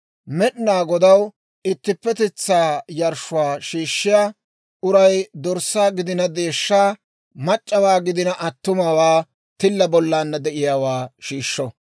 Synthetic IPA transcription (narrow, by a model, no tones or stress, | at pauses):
mɛɗnaːɡɔd̪ɐw | ɪt̪ːɪpːɛt̪ɪt͡sːaːjɐɾʃʊwaːʃiːʃːɪjaː | ʔʊɾɐjd̪ɔɾsaːɡɪd̪ɪnɐd̪eːʃːaː | mɐt͡ʃʼːɐwaːɡɪd̪ɪnɐʔɐt̪ːʊmɐwaː | t̪ɪlːɐbɔlːaːnːɐd̪ɛʔɪjaːwaːʃiːʃːɔ